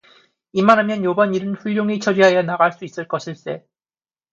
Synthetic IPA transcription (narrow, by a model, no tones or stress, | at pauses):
imanɦamjʌnjobaɲiɾɯnɸuʎːoŋit͡ɕʰʌɾiɦajʌnaɡaɭs͈uis͈ɯɭk͈ʌɕʰiɭs͈e̞